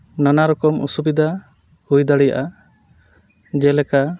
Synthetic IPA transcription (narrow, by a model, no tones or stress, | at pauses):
nanaɾɔkɔmṵsubid̪a | hujd̪aɽɛja̰ʔa | d͡ʒɛlɛka